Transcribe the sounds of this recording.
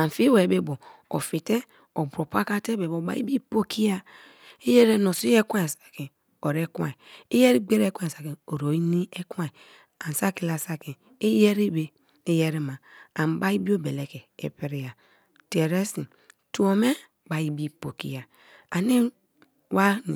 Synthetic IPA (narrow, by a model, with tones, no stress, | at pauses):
a˨n˨fi˦we˨be˦bo˨ | o̰˨fi˨te˦ | o˨bo˨pa˦ka˦te˦be˨bo˨ba̰˨˦ḭ˦bi˦po˦ki˦ja˦ | e˦je˦ɾe˦no˨si˦e˦ka˦e˨sḁ˨ki˨ | o˨ɾe˦kwã̰˨i˨i˦je˦ɾi˦ɡ͡be˦ɾe˦kʷa˦e˨sa˨ki˨o˨ɾo˨i˦ni˦e˦kwa˦i˨ | a˨n˨sa˦ki˨la˨sa˦ki˨ | e˦je˦ɾi˦be˦ | e˦je˦ɾi˦ma˨a˨m˨ba˦i˦bi˦o˦be˨le˨ke˨ḛ˨pi˦ɾi˦ja˨ | te˨ɾe˦sḭ˨ | tu˦o˨me˦ | ba˨ji˦bi˦po˨kḭ˦ja˨ | a˨ni˦ | wa˦n˨